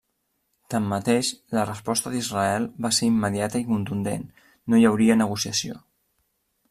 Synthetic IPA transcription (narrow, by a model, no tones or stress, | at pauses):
t̪amːət̪eʃlərəspɔst̪əðizrəɛlˠβaseɾimːəðjat̪əikunt̪und̪ḛnː | ojəwɾiənəɣ̞usiəsio̰